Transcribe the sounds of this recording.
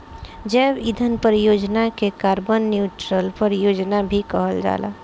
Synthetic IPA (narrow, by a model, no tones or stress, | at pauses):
d͡ʒəːbid̪ʱənpəɾijoːd͡ʒnakekaːɾbənːjut͡ʃɾəlpəɾjoːd͡ʒnabʱikəɦəld͡ʒa̰ːla̰